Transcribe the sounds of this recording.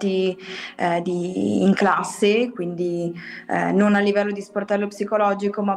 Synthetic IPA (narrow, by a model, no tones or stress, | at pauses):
t̪i | d̪ḭːŋklasːekwind̪ḭ | nonalːivɛlːod̪isport̪ɛlːopsikolɔd͡ʒikoma